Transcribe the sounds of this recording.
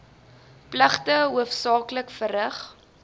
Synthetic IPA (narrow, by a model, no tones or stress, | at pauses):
pləχtəɦuəfsɑːkləkfəɾəχ